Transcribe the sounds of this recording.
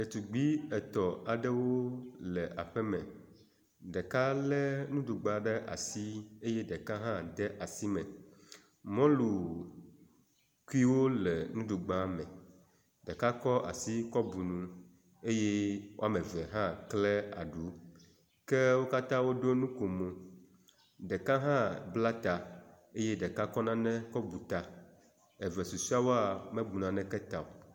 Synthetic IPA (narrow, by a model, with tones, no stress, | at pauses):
ɖe˨t̪u˨ɡ͡bi˦ɛ˨t̪ɔ˨a˨ɖɛ˦wo˦lɛ˨ʔa˨ɸɛ˦mɛ̃˨ | ɖɛ˨ka˦lɛ˦nũ˦ɖu˨ɡ͡ba˦ɖɛ˦ʔa̰˨si˦e˦jɛ˦ɖɛ˨ka˦ɦã˦d̪ɛ˦ʔa˨si˦mɛ̃˨ | mɔ̃˦lu˨ | ku˦i˦wo˦lɛ˨nũ˦ɖu˨ɡ͡ba˦mɛ̃˨ | ɖɛ˨ka˦kɔ˦ʔa̰˨si˦kɔ˦bu˨nũ˨ | e˦je˦wo˦a˦mɛ̃˨vɛ˨ɦã˦klɛ˦a̰˨ɖu˨˦ | kɛ˦wo˦ka˦t̪ã˦wo˦ɖo˦nũ˦ko˨mo˨ | ɖɛ˨ka˦ɦã˦bla˦t̪a˨ | e˦je˦ɖɛ˨ka˦kɔ˦nã˦nɛ̃˦kɔ˦bu˨t̪a˨ | ɛ˨vɛ˨su˨si˦a˦wo˦a˦˨mɛ̃˦bu˨nã˨nɛ̃˦kɛ˦t̪a˨o˨